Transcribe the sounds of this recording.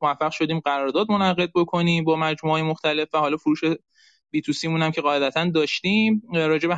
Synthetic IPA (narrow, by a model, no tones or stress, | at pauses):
movæfːæɣʃo̞d̪iːmɢæɾɒːɾd̪ɒːd̪̚mo̞næɣe̞d̪̚bo̞kʰo̞niːmbɒːmæd͡ʒmuɒːjemoxt̪æle̞fvæhɒːlɒːfoɾuːʃe | biːt̪ʰusiːmuːnhæmcʰe̞ɢɒːe̞d̪æt̪ʰænd̪ɒːʃt̪iːmɾɒːd͡ʒe̞be